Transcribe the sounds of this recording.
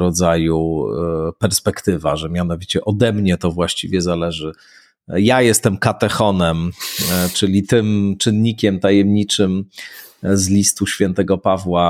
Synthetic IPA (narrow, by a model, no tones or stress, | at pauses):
ɾɔd̪zaju | pɛɾspɛkt̪ɘvaʐɛmʲjanɔvʲit͡ɕɛʔɔd̪ɛmɲɛt̪ɔvwaɕt͡ɕivʲjɛzalɛʐɘ | jajɛst̪ɛmkat̪ɛxɔnɛmt͡ʂɘlʲit̪ɘmt͡ʂɘnɲikʲɛmt̪ajɛmɲit͡ʂɘm | zlʲist̪uɕfʲjɛnt̪ɛɡɔpavwa